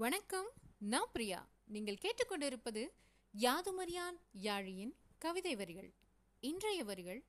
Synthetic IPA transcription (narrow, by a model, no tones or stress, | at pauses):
ʋɐɳɐkːɐmnaːpɾɪja̰ː | niːŋɡɐɭkeːʈrɯkːɔɳɖɪɾɯpːɐðɯ | jaːðɯmɐɾɪjaːnjaːɻɪjɪnkɐʋɪðɐɪʋɐɾɣɐ̰ɭ | ɪndrɐjɐʋɐɾɣɐɭ